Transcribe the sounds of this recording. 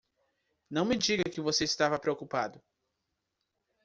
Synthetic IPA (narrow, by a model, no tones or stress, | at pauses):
nɐ̃w̃mɪd͡ʒiɡɐkɪvoseɪst̪avɐpɾeokupad̪ʊ